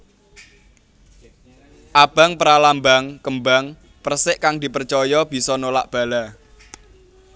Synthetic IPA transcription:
ʔab̥a̤ŋpəɾalambaŋkəmbaŋ | pərsɪʔkaŋd̪̥i̤pərt͡ʃɔjɔb̥i̤sɔnola̰ʔb̥ä̤la

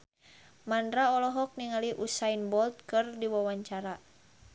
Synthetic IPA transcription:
mandɾaɔlɔɦɔk̚niŋaliʔusainbɔlt̪̚kɨrdiwawaɲt͡ʃaɾa

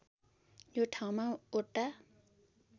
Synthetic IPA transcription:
joʈʰaw̃maoʈːa

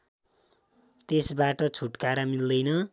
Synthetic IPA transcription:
t̪esbaʈʌt͡sʰuʈkaɾamild̪ʌjnʌ

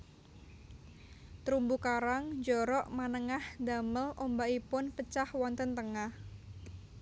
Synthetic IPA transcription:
t̪ɾumbukaɾaŋd͡ʒɔɾɔʔmanəŋahd̪aməlʔombaipʊnpət͡ʃahwɔnt̪ənt̪əŋah

